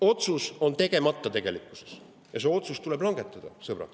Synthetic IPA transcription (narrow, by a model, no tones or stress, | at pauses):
o̞t̪suso̞nt̪e̞ɡ̥e̞mɑt̪ːˑɑt̪e̞ɡ̥e̞likːˑu̥se̞s | jɑs̬e̞o̞t̪sust̪ule̞blɑŋɡ̥e̞t̪ːˑɑd̪̥ɑsɤb̥rɑ̰